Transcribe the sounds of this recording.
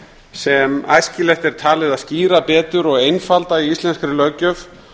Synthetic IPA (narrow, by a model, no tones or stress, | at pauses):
sɛma̰ːjscɪlɛxt̪ɛɾ̥t̪ʰaːlɪðaðsciːɾapɛːt̪ʏɾɔɣejnfalt̪aiist̪lɛnskɾɪlœcœf